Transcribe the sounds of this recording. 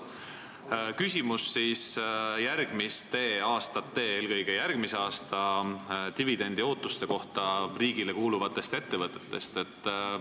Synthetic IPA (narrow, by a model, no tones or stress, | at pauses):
kysʲimusːiːsjærɡ̥mist̪eːɑːst̪ɑt̪ːe̞ːeːlkɤjɡ̥ejærɡ̥miseɑːst̪ɑt̪ivid̪e̞nd̪ioːt̪ːˑust̪e̞ko̞ht̪ɑriːɡ̥ile̞kuːluvɑt̪ːˑe̞st̪e̞t̪ːe̞vɤt̪ːˑe̞̥t̪ːe̞̰st̪e̞t̪ːˑ